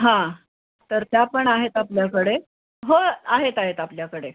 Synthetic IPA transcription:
ɦã | t̪əɾt̪japəɳaɦet̪apljakəɽe | ɦoaɦet̪aɦet̪apljakəɽe

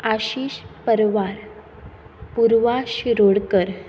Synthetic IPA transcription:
aɕiːɕpəɾʋaɾ | puɾʋaɕiɾoɽkəɾ

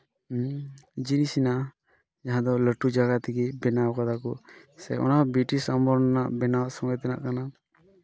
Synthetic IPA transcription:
d͡ʒinisina | d͡ʒaɦãd̪ɔləʈud͡ʒaɡat̪iɡibɛnawkad̪akɔ | sɛ̰ɔ̰nabiʈisambɔɾnanaʔbɛnawsɔŋɡɔjt̪ɛna̰ʔkana

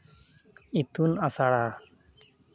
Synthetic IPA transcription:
it̪unasaɽa

